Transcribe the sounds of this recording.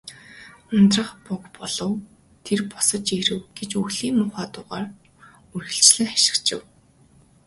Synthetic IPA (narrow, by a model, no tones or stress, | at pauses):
ʊnt̪rə̆χpʊkpɔɮɞ̆w | t̪ʰerpɔsə̆t͡ɕeɾɘ̆wɡ̥et͡ɕɵɣɮiːŋmʊːχaːt̪ʊːʁaːr | ɵrɣɘ̆ɬt͡ɕɮɘ̆ŋχḁʃɪ̥̆kt͡ɕɪ̰̆w